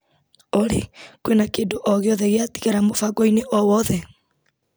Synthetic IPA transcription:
oɾḛkwenakeːndoʔɔɣeɔðɛɣeati̥ɣaɾamofaɡɔineʔɔwɔðɛ

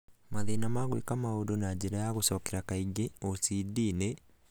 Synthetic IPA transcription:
maðinamaɣwḛkamaodonaɟeɾajaɣosɔːkeɾakaiɡeosidine

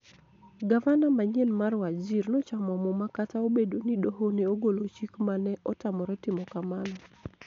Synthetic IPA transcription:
ɡavanamaɲɛlmarwad͡ʒirnɔt͡ʃamɔmɔmakataobedonidoɦoneoɡolot͡ʃikmanɛʔɔtamɔɾɛtɪmɔkamanɔ

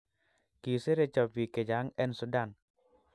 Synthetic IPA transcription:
kiseɾet͡ʃɔpiked͡ʒaŋɛnsudan

